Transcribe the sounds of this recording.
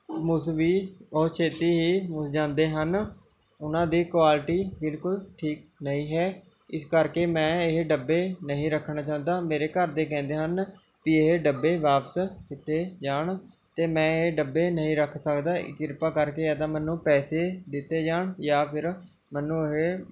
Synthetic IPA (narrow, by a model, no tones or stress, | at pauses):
mʊsʋiːoːt͡ʃʰeːt̪iːɦiːmʊsd͡ʒãːnd̪eːɦən | ʊnãːd̪iːkwaːlʈiːbɪlkʊlʈʰiːknəɦĩːɦɛː | ɪskəɾkeːmɛ̃ːeɦɖəbːeːnəɦĩːɾəkʰːɳaːt͡ʃaːʊ̃nd̪aːmeːɾeːkəɾd̪eːkɛ̃ːnd̪eːɦən | kieɦeɖəbːeːʋaːpəskɪt̪eːd͡ʒaːɳ | t̪eːmɛ̃ːeɖəbːeːnəɦĩːɾəkʰsəkd̪aːʔɪ̰kːɪɾpaːkəɾkeːɛːt̪ãːmɛːnːũːpɛːseːd̪ɪt̪ːeːd͡ʒaːɳjaːpʰɪɾ | mɛnːũːɦe